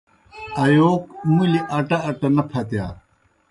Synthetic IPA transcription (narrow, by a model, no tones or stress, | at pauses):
ɐjoːkmuliʔɐʈaːʈɐnɐpʰɐt̪ja̰ː